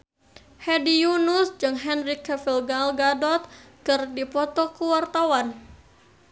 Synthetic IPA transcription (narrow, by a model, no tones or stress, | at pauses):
hɛdijunusd͡ʒɨŋɦɛnrikːɛfilɡalɡadɔt̪̚kɨrdipɔt̪ɔkəwart̪awan